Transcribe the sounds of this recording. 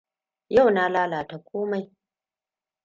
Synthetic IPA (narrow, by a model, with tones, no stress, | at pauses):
ja˦˨wna˦laː˦laː˨ta˨kʷʰoː˦ma˨j